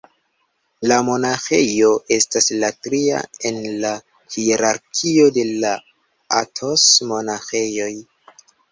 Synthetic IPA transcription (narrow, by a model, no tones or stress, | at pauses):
lamo̞naxejo̞ʔe̞staslatɾia̰e̞nla | hieɾaɾkʰio̞de̞la | a̰tʰo̞smo̞naxe̞jo̞j